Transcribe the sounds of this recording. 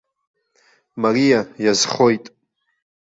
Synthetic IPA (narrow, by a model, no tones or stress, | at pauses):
marijajazχo̞jtʼ